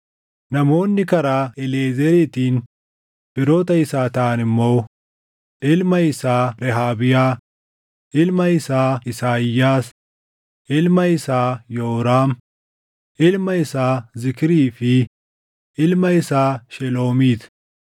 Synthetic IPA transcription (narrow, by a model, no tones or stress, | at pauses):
nɐmo̞ːnːɪkɐɾaːɪleːzɛɾit̪iːn | pɪɾoːt̪ɐɪsaːt̪aːnɪmːow | ʔɪlmɐɪsaːɾɛɦaːbɪjaː | ʔɪlmɐɪsaːɪsaːjaːs | ʔɪlmɐɪsaːjoːɾaːm | ʔɪlmɐɪsaːzɪkɪɾiːfɪ | ʔɪlmɐɪsaːʃɛlo̞ːmiːt̪